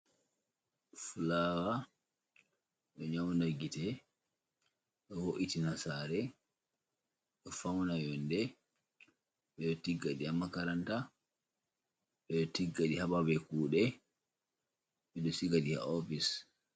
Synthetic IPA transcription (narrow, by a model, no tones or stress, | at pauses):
fulaːwa | ɗɔɲawnaɡitɛ | ɗɔhoʔitinasaːɾɛ | ɗɔfawnajɔndɛ | ɓɛɗɔtiɡːaɗiamːakaɾanta | ɓɛɗɔtiɡːaɗihaɓawɛkuːɗɛ | ɓɛɗɔsikaɗiha̰ofis